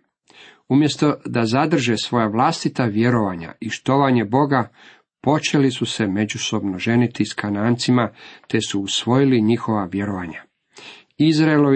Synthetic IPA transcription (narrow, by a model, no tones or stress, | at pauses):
umje̞st̪o̞d̪azad̪r̩ʒesʋo̞jaʋlast̪it̪aʋje̞ɾo̞ʋaːɲa̰iʃt̪o̞ʋaɲe̞bo̞ɡa | po̞t͡ʃe̞lisuse̞me̞d͡ʑuso̞bnoʒe̞nit̪iskʰanaːnt̪simat̪e̞suːsʋo̞jiliɲixo̞ʋaʋje̞ɾoʋaːɲa | izɾaelo